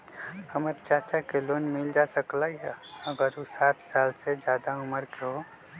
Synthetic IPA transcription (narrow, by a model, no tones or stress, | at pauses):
həməɾt͡ʃaːt͡ʃakeloːnmɪld͡ʒasəklaːiɦɛəɡəɾusaːʈʰsaːlsed͡ʒjaːd̪aʊməɾkeɦo